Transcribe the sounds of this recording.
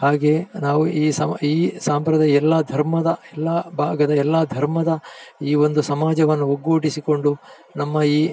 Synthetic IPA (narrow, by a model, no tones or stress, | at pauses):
haːɡe̞ːnaːʋuiːsɐiːsaːmpɾɐd̪ʱɐjɛlːɐd̪ʱɐɾmɐd̪ɐɛlːɐbʱaːɡɐd̪ɐɛlːɐd̪ʱɐɾmɐd̪ɐiːo̞nd̪usɐmaːd͡ʒɐʋɐnːuoɡoːʈisiko̞ɳɖu | nɐmːɐiː